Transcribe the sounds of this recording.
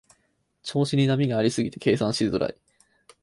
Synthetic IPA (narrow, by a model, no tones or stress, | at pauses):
t͡ɕo̞ːɕiɲ̟inamʲiɡaːɾʲisɨɡʲit̪e̞ke̞ːsãɕizɨɾʔa̰i